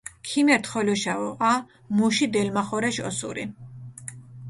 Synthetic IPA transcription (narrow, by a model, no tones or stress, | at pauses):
kʰimɛɾt̪χɔlɔʃaɔqʼa | muʃid̪ɛlmaχɔɾɛʃɔsṵɾḭ